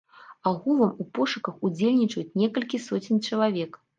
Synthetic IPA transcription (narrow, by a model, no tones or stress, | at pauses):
aɣulˠɐmupɔʂɨkɐxud͡zʲelʲnʲit͡ʂɐjut͡sʲnʲɛkɐlʲkʲisɔt͡sʲinʲt͡ʂɐlˠavʲɛk